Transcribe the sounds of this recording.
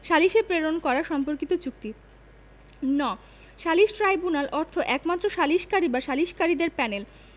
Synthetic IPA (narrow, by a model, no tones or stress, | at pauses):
ʃaliʃepɾeɾonkɔɾaʃɔmpoɾkit̪ot͡ɕuk̚t̪i | nɔ | ʃaliʃʈɾajbunalʔɔɾt̪ʰoʔɛkmat̪ːɾoʃaliʃkaɾibaʃaliʃkaɾid̪eɾpɛnel